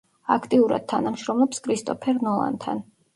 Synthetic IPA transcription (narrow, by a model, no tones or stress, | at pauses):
akʰt̪ʼiuɾa̰d̪̚t̪ʰanamʃɾɔmlˠɔpskʰɾist̪ʼɔpʰɛɾnɔlˠa̰nt̪ʰa̰n